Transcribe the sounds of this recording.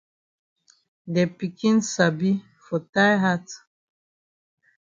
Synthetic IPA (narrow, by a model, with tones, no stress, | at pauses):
dɛ˨pi˨kʰĩ˦nsa˨bi˦ | fɔ˨ta˦jɦa˦t